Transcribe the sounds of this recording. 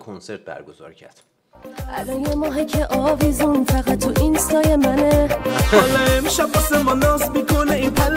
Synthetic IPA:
kʰonseɾt̪̚bæ̰ɾɡoz̥ɒ̰ːɾcʰæ̰ɾd̪̥ | ʔælɔnjemɒːɦecʰeʔɒvizunfæɣæt̪ʰːuʔinst̪ɒːjemæneɔlɛemʃæpɔsemɔnɒːsmikʰoneipʰæl

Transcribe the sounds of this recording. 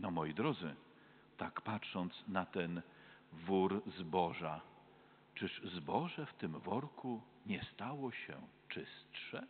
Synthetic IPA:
nɔmɔjid̪ɾɔd̪zɘ | t̪akpatʂɔnt̪snat̪ɛn | vuɾzbɔʐa | t͡ʂɘʂzbɔʐɛft̪ɘmvɔɾku | ɲɛst̪awɔɕɛ̰ | t͡ʂɘstʂɛ

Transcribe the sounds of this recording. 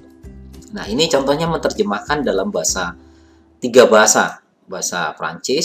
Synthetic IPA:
nahinit͡ʃɔnt̪ɔɲamənt̪ərd͡ʒəmahkandalambaɦasa | t̪iɡabaɦasa̰ | baɦasa̰pɾa̰ɲt͡ʃɪs

